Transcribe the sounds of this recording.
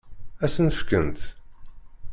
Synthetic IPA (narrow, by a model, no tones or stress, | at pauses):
æsnəfkənt̪